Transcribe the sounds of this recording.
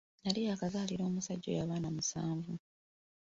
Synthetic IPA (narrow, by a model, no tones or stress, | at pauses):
nalijaːkazaːliɾo̞ːmusaɟːo̰jaːβaːnamusaːɱvu